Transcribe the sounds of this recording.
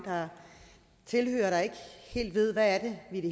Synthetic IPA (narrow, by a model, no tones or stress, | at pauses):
d̥ɑ̈ | t͡sʰe̝lhø̰ːɐɾ̥ɑ̈e̝ɡ̥əhe̝̰ːld̥ʋe̝ð̞̰ˠʋæːɐd̥e̝ʋiɾ̥e̝